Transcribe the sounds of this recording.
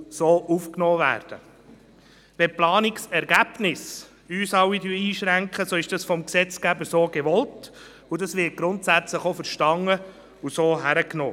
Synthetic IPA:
soːʔufknɔːvæ̰ːɾd̥ə̰ | ʋɛplɑːnɪksɛɾɡ̥æb̥nɪs | yːsɑwidyiːʃɾæŋkχəsoɪʃd̥ɑsfɔmksɛt͡sɡ̥æbəɾsoːɡeʋɔlt | ʊdɑsʋɪt̚ɡ̥ɾʊntsæt͡sləχofəɾʃtɑŋːə | usoːɦæɾəkno̰ː

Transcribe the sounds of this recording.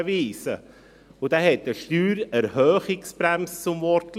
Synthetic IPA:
viːsə̰ | ʊd̥ɛːhɛt̚dəʃtyːɾɛɾhœːχɪksb̥ɾɛmst͡sʊmvɔɾtl

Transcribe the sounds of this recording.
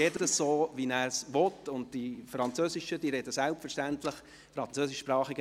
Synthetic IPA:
ɛdədəssoːvinæːɾsʋɔtʊnd̚tifɾɑnt͡søːsɪʃədiɾɛd̥əsælpfəɾʃtæntləχ | fɾɑnt͡søːsɪʃpɾɑːχiɡə

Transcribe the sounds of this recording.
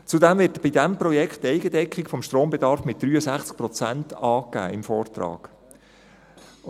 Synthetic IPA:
t͡sudɛmvɪːtb̥idæmpɾɔjɛkχtːɛɪɡədɛkχikfɔmʃtroːmbɛd̪ɑɾfmɪt̚d̥̪ɾyːəsæχt͡sk̚pɾɔt͡sæntɑːkːæ̰ːɪmfɔːrt̪ɾɑ̰ːɡ̥

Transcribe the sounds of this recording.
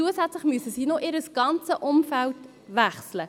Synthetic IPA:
uəsæt͡slɪχmyəsəsiːnoʔɪɾəsɡ̥ɑnt͡səʔʊmfælt | ʋæχslə

